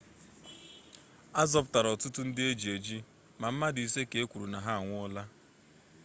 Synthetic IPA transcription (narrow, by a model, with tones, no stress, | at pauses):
a˦zɔ˨˦p̬ʊ˦ta˨ɾɔ˨tʊ˦tʊ˦n̩˦dɪ˦e˦d͡ʒi˨e˨d͡ʒi˦ | ma˨m̩˦ma˦di˨se˦ke˨e˦kʷu˨ɾu˨na˨ɦa˦a˨ŋʷʊ˦ɔ˦la˦